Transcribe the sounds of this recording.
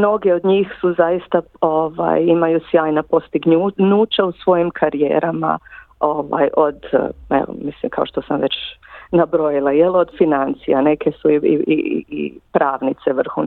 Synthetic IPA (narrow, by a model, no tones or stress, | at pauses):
mno̞ɡeod̪ɲiːxsuzajist̪a | oʋa̰ːjimajusjaːjnapo̞st̪iɡɲuɲuːt͡ʃausʋo̞jimkʰaɾijḛːɾʔama̰ | oʋa̰jʔo̞d̪ḛo̰mislḭmkʰaoʃt̪o̞samʋe̞t͡ɕnabɾojilˠajelo̞d̪finant̪sija̰ne̞ke̞suiḭḭḭḭpɾaːʋnit̪se̞ʋr̩xṵn